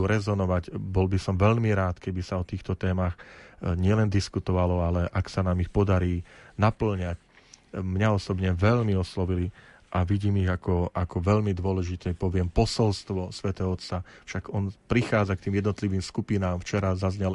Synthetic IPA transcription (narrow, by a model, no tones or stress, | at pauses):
uɾɛzɔnɔʋaɟbɔlbisɔmʋɛʎmiɾaːt̪kɛbisaɔt̪iːxt̪ɔt̪ɛːmaxɲɪɛlɛnd̪iskut̪ɔʋalɔalɛʔaksanaːmixpɔd̪aɾiːnapl̩ɲac | mɲaɔsɔbɲɛʋɛʎmiɔslɔʋili | ʔaʋiɟiːmiɣakɔʔakɔʋɛʎmid̪ʋɔlɛʒit̪ɛpɔʋɪɛmpɔsɔlst̪ʋɔsʋɛt̪ɛɦɔɔt̪t͡safʃaɡɔnpɾixaːd͡zak̚t̪iːmjɛd̪nɔt̪liʋiːmskupinaːmft͡ʃɛɾazazɲɛl